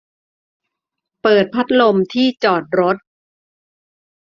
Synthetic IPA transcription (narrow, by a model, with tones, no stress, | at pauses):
pɤː˨˩t̪̚pʰa˦˥t̪̚lo˧mt̪ʰiː˥˩t͡ɕɔː˨˩t̪̚ɾo˦˥t̪̚